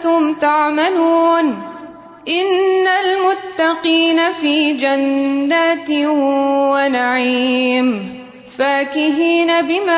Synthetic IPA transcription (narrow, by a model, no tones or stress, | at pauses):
t̪ʊmt̪aʕmaluːn | ʔɪnːalmʊt̪ːɑqiːnafiːd͡ʒanːaːt̪ɪwanaʕim | faːkɪɦiːnabɪmaː